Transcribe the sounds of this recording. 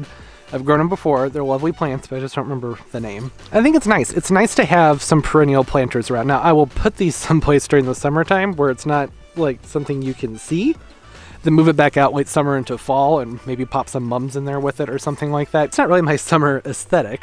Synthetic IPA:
aɪvɡɹõʊ̃bəfɔɹðə˞lʌvlipʰl̥æ̃ntsb̥ʌɾaɪd͡ʒʌsd̥õʊnʔɹɨmɛ̃mbə˞ðɨnẽɪ̃m | ʔaɪθɪ̃ŋkɨtsnaɪsɨtsnaɪstʰɨɨv̥sʌ̃mpʰə˞ɛ̃ñil̩ˠpʰl̥æ̃ntʰə˞zə˞ãʊnːaʊʔaɪwɪlˠpʰʊt̪̚ðiz̥sʌ̃mpʰl̥eɪsd̥ʊɹɪ̃ŋðəsʌmə˞tʰãɪ̃mwə˞ɨtsnət̚ | laɪk̚sʌ̃mθɪ̃ŋjɨkʰɨ̃nsi | ðɨ̃nmuvɨt̚b̥ækaʊʔlaɪtsʌmə˞ɪ̃ntufɔlˠə̃nmeɪbipʰɑpsʌ̃mːʌ̃mzɨ̃nðə˞wɪðɨɾə˞sʌ̃mθɪ̃ŋlaɪk̚ðætɨtsnət̚ɹɪlˠimaɪsʌmə˞ɨsθɛɾɪk

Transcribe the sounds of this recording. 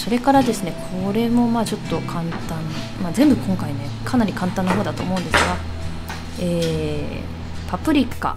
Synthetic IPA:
so̞ɾe̞kaɾad̪e̞sɨne̞kʰo̞ɾe̞mo̞maːt͡ɕo̞t̪ːo̞kʰãnt̪ãɴ | mazẽ̞mbɯ̟kʰõ̞ŋkaine̞kʰanaɾʲikãnt̪ãnːaɦo̞ːd̪at̪oːmo̞ɯ̟̃nd̪e̞sɨɡa | eː | pʰapɯ̟ɾʲikːa̰

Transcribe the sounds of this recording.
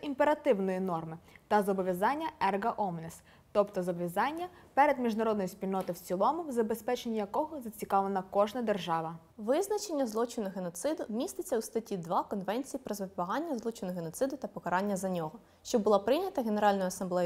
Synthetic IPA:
impeɾɐt̪ɪwnɔjinɔrmɪt̪ɐzɔbɔʋʲjɐzɑnʲːɐɛrɡɐʔɔmnes | t̪ɔpt̪ɔzɔbɔʋʲazɑnʲːɐ | pɛɾed̪mʲiʒnɐɾɔd̪nɔjispʲilʲnɔt̪ɪwt͡sʲilˠɔmʊwzɐbespɛt͡ʃenʲːijɐkɔɦɔzɐt͡sʲikɑʋenɐkɔʒnɐd̪erʒɑʋɐ | ʋɪznɐt͡ʃenʲːɐzlˠɔt͡ʃɪnʊɦenɔt̪sɪd̪ʊmʲist̪ɪt͡sʲːɐust̪ɐtʲid̪ʋɑkɔnʋɛnʲt͡sʲijipɾɔzʋɪpbɐɦɑnʲːɐzlˠɔt͡ʃɪnʊɦenɔt̪sɪd̪ʊt̪ɐpɔkɐɾɑnʲːɐzɐnʲɔɦɔ | ʃt͡ʃɔbʊlˠɑpɾɪnʲɐt̪ɐɦe̞neɾɑlʲnɔjʊɐsɐmblˠɛj

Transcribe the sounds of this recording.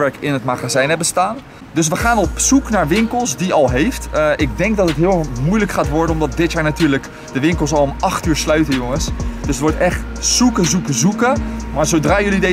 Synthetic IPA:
ʋɛɹkɪnɦətmaχazɛjnəbəstaːn | dɵs̬ʋəχaːnɔpsuknaːɹʋɪŋkəlˠsdiɑlˠɦejftʔɪɡ̚dɛŋkdɑtətɦɪːlˠmujləkχaːtʋɔɹdənɔmdɑt̚dɪtjaːɹnatyːɹlək | d̥əʋɪŋkəlˠsɑlˠɔmɑχtyːɹslœɥtəjʊŋəsd̥ɵsətʋɔɹtɛχt | sukəzukəzukəmaːɹzowdraːjɵlide

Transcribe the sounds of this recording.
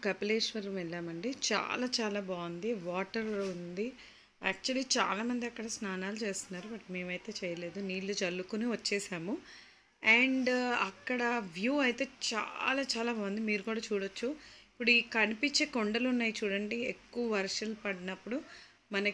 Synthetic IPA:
kɐpileːʂʋɐɾʋɛɭːaːmɐɳɖit͡ʃa̰ːlaːt͡ʃaːlaːbaːnd̪iʋaːʈɐɾund̪i | ɛːk̚t͡ʃuɐliːt͡ʃa̰ːlaːmɐnd̪iɐkːɐɽɐsnaːnaːlut͡ʃe̞ːst̪unːaːɾubɐʈme̞ːmɐjt̪e̞ːt͡ʃɛːjɐle̞ːd̪uniːlːut͡ʃɐlːukuniʋɐt͡ʃːɛːʃaːmu | ɛːɳɖɐkːɐɽɐʋjuːɐjt̪e̞ːt͡ʃa̰ːlaːt͡ʃaːlaːbaːund̪imiːɾukuːɽaːt͡ʃuːɽɐt͡ʃːuipːuɽuikɐnipiɲt͡ʃeːkoɳɖɐlunːaːjit͡ʃuːɽɐɳɖiekːuʋɐʋɐɾʂɐlpɐɽinɐpːuɽu | mɐnɐ

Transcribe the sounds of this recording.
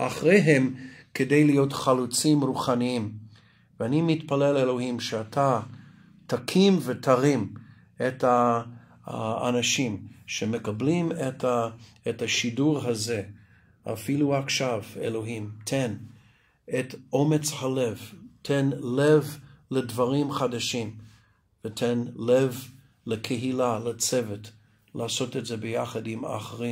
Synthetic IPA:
ʔaχʁejɦemkedejlijotχalut͡simɾuχaniim | veanimitpalelelo̞himʃeatʰa | tʰakʰimvetʰaʁim | etha | a̰naʃimʃemekablimetaː | thaʃiduʁɦaze | a̰filuaχʃavḛlo̞ɦĩmtʰen | etomet͡shalevtʰenlevledvaʁĩmχadaʃĩm | vətʰenlev | lekʰeɦilalat͡sɛvet | laːso̞tetzebəjaχadima̰χʁim

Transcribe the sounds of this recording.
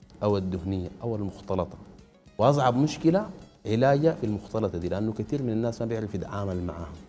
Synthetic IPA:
ʔawad̪ːʊhnijːaʔawalmʊxt̪ɑlɑt̪ˤɑ̥ | wɪʔɑs̬ˤʕɑbmuʃkilaʕɪlaːɟafilmʊxt̪ɑlɑt̪ˤɑd̪iːliʔanːukat̪iːɾminanːaːsmabɪʕɾɑfid̪aʕaːmalma̰ʕa̰ːhum

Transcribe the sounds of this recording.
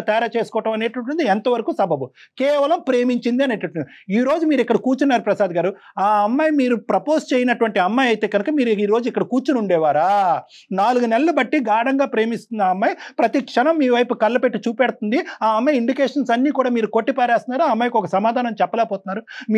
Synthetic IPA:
t̪ɛːɾaːt͡ʃe̞ːsu̥kɔːʈɐmɐneːʈɐɳʈund̪iɛnt̪ɐʋɐɾɐkusɐbʱɐbu | kɛːʋɐlɐmpɾe̞ːmiɲt͡ʃind̪iɐneːʈɐɳund̪i | iːɾo̞ːd͡ʒumiːɾikːɐɽɐkuːt͡ʃunːaːɾupɾɐsaːd̪ɡaːɾu | aːɐmːajmiːɾupɾɐpo̞ːst͡ʃeːjinɐʈuʋɐɳʈiɐmːaːjɐjt̪e̞ːɡɐnukɐmiːɾiːɾo̞ːd͡ʒuikːɐɽɐkuːɾt͡ʃunuɳɖɛːʋaːɾaː | naːluɡunelɐlubɐʈːiɡaːɽɐŋɡaːpɾe̞ːmist̪und̪ɐɐmːaːjpɾɐt̪ikʂɐnɐmːiːʋɐjpukɐlːɐpeʈːit͡ʃuːpɛːɽɐt̪und̪iaːɐmːɐjiɳɖikeːʂɐnsɐnːiːkuːɽaːmiːɾukoʈːipɐaːɾaːst̪ɐnːaːɾuɐmːaːjkɔkɐsɐmaːd̪ʱaːnɐmt͡ʃɛpːɐlɛːpoːt̪unːaːɾum

